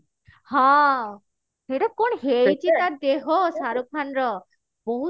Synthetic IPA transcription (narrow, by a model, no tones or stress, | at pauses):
hɔ̃ | eɾɔkoɳɦejt͡ʃʰit̪aɾd̪eɦɔsaɾukʰanɾɔ | boɦu